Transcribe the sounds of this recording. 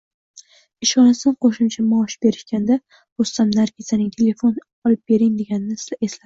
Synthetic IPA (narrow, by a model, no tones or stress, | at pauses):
ɪʃɒnasɪd̪qʰoʃɪmt͡ʃʰamaɒʃbe̞ɾɪʃkʲand̪a | ost̪amnaɾɡʲizanɪŋt̪ʰe̞le̞fon | ɒlɪp̚be̞ɾɪŋd̪e̞ɡʲanɪnɪsaesla